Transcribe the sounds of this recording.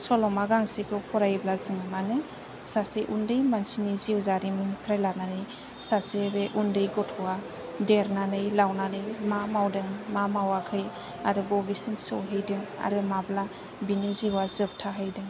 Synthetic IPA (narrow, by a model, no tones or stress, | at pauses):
sɔlɔmaɡaŋsikʰɯwpʰɔɾajblazɯŋɯmanɯ | sasiʔundɯjmansiniziwzaɾimiŋpʰɾajlananɯj | sasebeʔundɯjɡɔtʰɔwa | deɾnanɯjlawnanɯjmamawdɯŋmamawakʰɯj | aɾɯbɔbisɯmsɯwɦɯjdɯŋa̰ɾɯmabla | biniziwazɯp̚tʰaɦɯjdɯŋ